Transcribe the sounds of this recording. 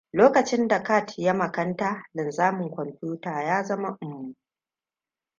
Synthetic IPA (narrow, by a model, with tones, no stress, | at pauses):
loː˦kɐ˨t͡ʃɪ˦nda˨kaː˦˨tja˦mɐ˨kɐ˦ntaː˦lɪ˨nzaː˦mʊ˨ŋkʷɔ˨mɸʲjuː˦taː˨jaː˦zɐ˦ma˦ʔʊ˨mːu˦